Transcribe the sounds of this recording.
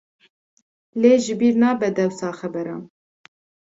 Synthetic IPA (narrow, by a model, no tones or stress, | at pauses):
leːʒɨbiːɾnɑːbɛd̪ɛwsɑːxɛbɛɾɑːn